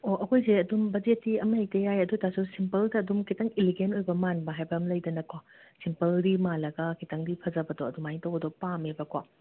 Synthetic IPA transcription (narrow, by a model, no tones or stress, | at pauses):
oʔɐkʰojzeɐdumbɐzetːiɐmɐjtɐjajɐdutasusimpɐldɐːdumkʰitɐŋiliɡenojbɐmanbɐɦajbɐmlɐjdɐnɐkwa | simpɐldimalɐɡɐkʰitɐŋdipʰɐzɐbɐdɔɐdumaiŋtɐwɐdɔpamebɐkwa